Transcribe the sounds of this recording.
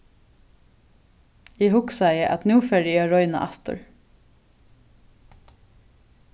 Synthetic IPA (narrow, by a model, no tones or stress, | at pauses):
iːhʊksæɪəʔɑ̰t̪nuːfɛɾɪɑːɹɔʏnɑ̰ʔɑst̪ʊ̰ɹ